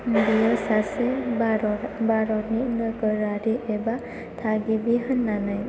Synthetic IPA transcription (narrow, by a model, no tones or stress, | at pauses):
dijɔsasɛɾɔbaɾɔninəɡəɾaɾiʔɛba | t̪ʰaɡibiɦənːanaj